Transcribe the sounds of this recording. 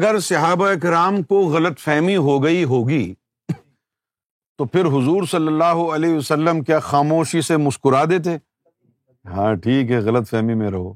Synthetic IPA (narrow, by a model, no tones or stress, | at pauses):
ɐɡəɾsɐɦaːbaɪkɪɾaːmkoɣɐlət̪fɛɦmiɦoɡɐiɦoːɡiː | t̪opʰɪɾɦʊzuːɾsɐlːəlːaːɦoɐleːʋɐsəlːəmkjaːxaːmoːʃisemʊskʊɾaːd̪et̪̬ʰeː | ɦãːʈʰiːkɦɛɣɐlət̪fɛɦmimẽɾɐɦoː